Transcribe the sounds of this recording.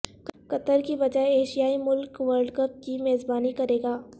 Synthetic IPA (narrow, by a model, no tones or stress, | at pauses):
kɐt̪əɾkibɐd͡ʒaːeeːʃijaːimʊlkʋəɾɖkəp̚kimeːzbaːnikɐɾeːɡaː